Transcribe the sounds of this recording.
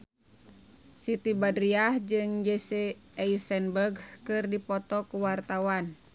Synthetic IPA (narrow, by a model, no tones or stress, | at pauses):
sit̪ibadɾiahd͡ʒɨŋd͡ʒɛseɛisɛnbərɡkɨrdipɔt̪ɔkuwart̪awan